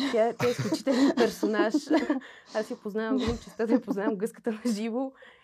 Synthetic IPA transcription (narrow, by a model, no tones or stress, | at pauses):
t̪ʲjaɛt̪ʲjaɛsklʲut͡ʃi̥t̪ɛlʲɛnpɛɾsonaʃ | asjʲɐpoznavɐmɡ̪mt͡ʃɛst̪ad̪ɐjɐpoznavəmɡɤskə̥t̪əmɛʒivo